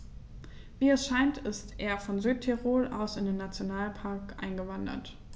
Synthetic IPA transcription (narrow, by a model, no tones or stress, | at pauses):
viːɛsʃaɪntɪstʔeːɐfɔnzyːt̚tʰɛʁoːlʔaʊsɪndeːnːat͡sjonaːlpʰaɐkʔa̰ɪnɡəvandɐ̰t